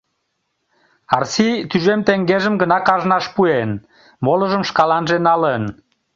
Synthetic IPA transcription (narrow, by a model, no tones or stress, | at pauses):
ɑrsit̪yʒemt̪eŋɡeʒəmɡənɑkɑʒnɑʃpuen | moləʒəmʃkɑlɑnʒenɑlən